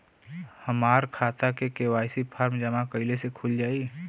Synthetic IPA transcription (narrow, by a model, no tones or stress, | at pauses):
həmaːɾkʰaːt̪akekeːwaːɪsipʰaːɾmd͡ʒəmakəɪlesekʰuld͡ʒaːi